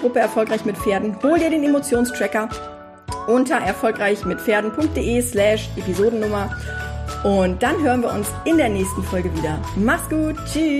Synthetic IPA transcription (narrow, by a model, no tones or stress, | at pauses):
ʁʊpəɛɐfɔlkʁ̥aɪçmɪtfeːɐdn̩hoːldiːɐɾeːnemot͡sjoːnstʁ̥ɛkɐ | ʔʊntɐʔɛɐfɔlkʁ̥aɪçmɪtfeːɐdn̩pʰʊŋk̚t̚d̥eːʔeːslɛːʃʔepizoːdn̩nʊmɐ | ʔʊntd̥anɦøːʁ̞ənviːɐʊnsɪndeːɐnɛːçstn̩fɔlɡəviːdɐ̰ | maχsɡ̥uːtt͡ʃyː